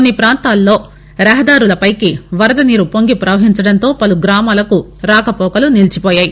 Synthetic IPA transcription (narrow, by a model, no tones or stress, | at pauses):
onːipɾaːnt̪aːlːo̞ː | ɾɐɦɐd̪aːɾulɐpɐjkiʋɐɾɐd̪ɐniːɾupoŋɡipɾɐʋɐɦiɲt͡ʃɐɽɐnt̪o̞ːpɐluɡɾaːmaːlɐkuɾaːkɐpɔːkɐlunilt͡ʃipɔːjaːji